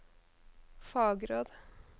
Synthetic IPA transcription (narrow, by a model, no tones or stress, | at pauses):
fɑːɡɾoːd̪